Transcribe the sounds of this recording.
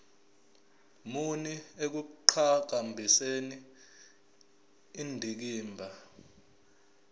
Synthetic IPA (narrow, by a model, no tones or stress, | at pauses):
muniek̬uǃʰak̬ambʱiseni | ndʱik̬iːmbʱa